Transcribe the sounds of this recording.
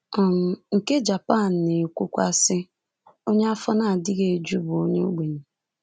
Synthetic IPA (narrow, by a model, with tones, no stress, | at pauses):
ɔ˨m̩˨ŋ̩˨ke˦d͡ʒa˨pa˦˨n̩˨ne˨kʷu˦kʷa˦sɪ˦ | o˦ɲe˦a˦fɔ˦na˦a˨dɪ˦ɣe˨d͡ʒu˦bʊ˨o˦ɲe˦o˦ɡ͡be˨ɲe˨